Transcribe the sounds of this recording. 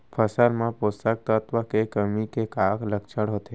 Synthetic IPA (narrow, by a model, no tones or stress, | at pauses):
pʰəsəlmãpost̪ək̚t̪ət̪ʋəkekəmikekaːkləkt͡ʃʰəɽɦot̪e